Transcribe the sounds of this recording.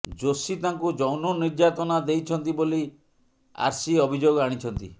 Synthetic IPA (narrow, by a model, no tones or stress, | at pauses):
d͡ʒosit̪aŋkud͡ʒɔwnɔniɾd͡ʒat̪ɔnad̪ejt͡ʃʰɔnt̪iboli | a̰ɾsiɔbʱid͡ʒoɡɔaɽ̃it͡ʃʰɔnt̪ḭ